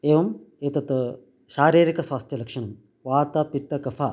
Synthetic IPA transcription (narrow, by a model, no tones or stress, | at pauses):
eːʋɐm | eːt̪ɐt̪ɐ | ʃaːɾiːɾikɐsʋaːst̪ʰjɐlɐkʂɐɳɐm | ʋaːt̪ɐpit̪ːɐkɐfʰa